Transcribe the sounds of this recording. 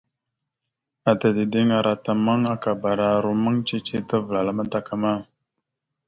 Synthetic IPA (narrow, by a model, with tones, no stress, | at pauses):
a˨ta˨di˨di˦ŋa˨ɾa˨ta˨mə˦ŋa˦ka˨ba˨ɾa˨ɾu˨mə˦ŋt͡ʃi˦t͡ʃi˦tə˦və˨la˨la˦ma˦ta˨ka˨ma˦